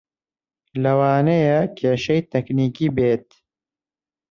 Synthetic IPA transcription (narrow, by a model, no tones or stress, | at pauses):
lɐwaːnejɐkʰeːʃɐjt̪ʰɛkniːkiːbeːt̪̚